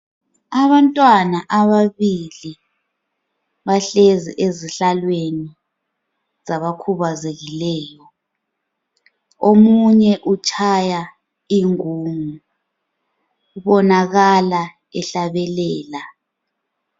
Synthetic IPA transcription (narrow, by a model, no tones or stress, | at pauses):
aβantʼwanaʔaβaβili | βaɬezḭʔeziɬalweni | z̥aβakʰuβazeɣilɛːjɔ | omuɲɛʔut͡ʃʼʰaja | iŋuːŋu | uβɔnaɣala | ɛɬaβɛlɛːla